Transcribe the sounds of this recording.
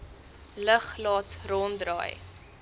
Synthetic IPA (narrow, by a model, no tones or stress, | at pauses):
ləχlɑːtrɔndrɑ̰ːj